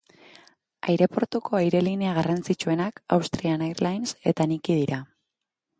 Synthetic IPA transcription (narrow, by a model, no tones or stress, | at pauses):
ajɾe̞po̞ɾt̪ukʰo̞ajɾe̞line̞aɣ̞arant͡sit͡ʃue̞naka̰wst̪ɾianajrlajnse̞t̪anikið̞iɾa